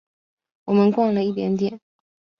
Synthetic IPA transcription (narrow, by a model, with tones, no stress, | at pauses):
wɔ˨˩mə˦nkwɑ˥˩ŋlə˩i˥˩t̪jɛ̰˧˥nt̪jɛ˨˩˦n